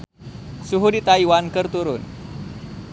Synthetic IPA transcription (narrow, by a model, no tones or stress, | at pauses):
suɦudit̪aiwankərt̪uɾʊn